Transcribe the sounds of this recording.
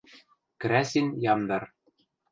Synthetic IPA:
kɾæsʲinʲjɑmd̪ɑr

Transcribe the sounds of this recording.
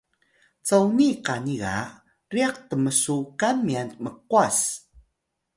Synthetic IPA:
t͡sawniqaniɣa̰ | riaq̚təməsukanmianməqwas

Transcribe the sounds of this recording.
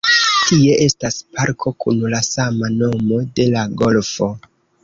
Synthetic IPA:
tie̞ʔe̞staspaɾkʰo̞kunlasamano̞mo̞de̞laɡo̞lfo̞

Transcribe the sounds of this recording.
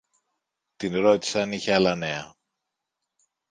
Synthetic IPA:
t̪inɾo̞t̪i̥sɐniçeɐlɐne̞ɐ

